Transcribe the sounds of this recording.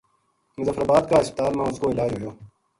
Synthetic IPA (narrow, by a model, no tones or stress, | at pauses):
mʊzəfɾabaːd̪kaːɪspɪt̪aːlmãːʊskoːɪlaːd͡ʒɦoːjoː